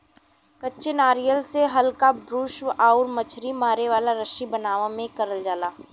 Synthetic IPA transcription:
kɐtːt͡ʃɪnaːɾijəlseɦɐlkabɾuːʃʋaːʊɾmɐt͡ʃʰɾimaːɾeʋaːlaɾɐʃibɐnaːʋãmẽkɐɾəld͡ʒaːlaː

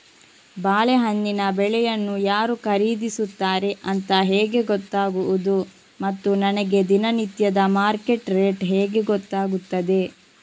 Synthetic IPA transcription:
baːleɦɐnːinɐbɛɭɛjɐnːujaːɾukɐɾiːd̪isut̪ːaːɾe̞ʔɐnt̪ɐɦɛːɡe̞ɡɔt̪ːaːɡuʋud̪u | mɐt̪ːunɐnɛɡe̞d̪inɐnit̪jɐd̪ɐmaːɾke̞ʈɾeːʈɦɛːɡe̞ɡɔt̪ːaːɡut̪ːɐd̪e̞

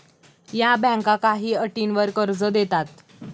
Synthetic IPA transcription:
jabɛ̃ŋkãkaɦiːəʈiːnʋəɾkəɾd͡zəd̪et̪at̪̚

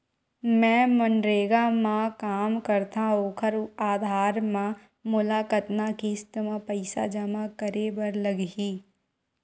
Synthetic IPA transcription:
mɛ̃ːmənɾeːɡamãkaːmkəɾt̪aɦoːkʰəɾaːd̪ʱaːɾmã | mʊlaːkət̪nakist̪əmãpəɪsa̰d͡ʒəmakəɾebəɾləɡɦiː

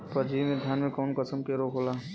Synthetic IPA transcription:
pəɾd͡ʒiːmed̪ʱjaːnmẽkɔːnkəsəmkeɾoːkʰɦoːlaː

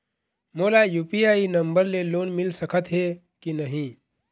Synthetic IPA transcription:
moːlajupiainəmbəɾleloːnmɪlsəkʰət̪ɦe | kinəɦĩ

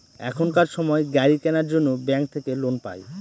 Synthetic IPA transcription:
ɛ̰kʰonkaɾʃɔmɔeɡɛɾikɛnaɾd͡ʑonːobɛŋk̚t̪ʰekelonpa̰j

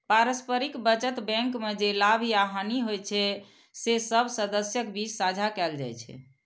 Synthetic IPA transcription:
paɾəspəɾikbət͡ʃət̪bɛ̃ŋkmed͡ʒelabʱiaɦaniɦojt͡ʃʰɛ | sesəbʱsəd̪əsjəkbit͡ʃsad͡ʒʱakɛld͡ʒa̰jt͡ʃʰɛ̰

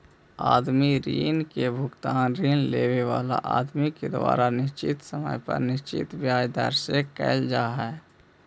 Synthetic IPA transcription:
aːd̪miɾiːnkebʱʊkt̪aːnɾiːnleːweʋaːla̰ʔaːd̪miked̪wa̰ːɾanɪst͡ʃɪt̪səmə̰jpə̰ɾnɪst͡ʃɪ̰t̪bjaːjd̪ə̰ɾsekɛ̰ɪld͡ʒaːɦɛː

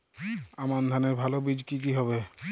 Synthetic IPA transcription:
amand̪ʱanɛɹbʱalɔbid͡ʒkik̬iɦɔβe

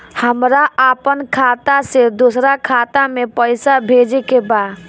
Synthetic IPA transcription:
həmɾaʔapənkʰat̪ased̪usɾakʰat̪amepəɪsabʱed͡ʒekeba

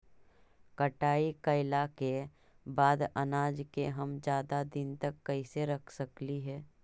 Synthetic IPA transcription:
kəʈaːikəɪlake | baːd̪ɐnaːd͡ʒkeɦɐmd͡ʒjaːd̪ad̪ɪnt̪ɐkːɐɪseɾɐkʰsəkliɦɛː

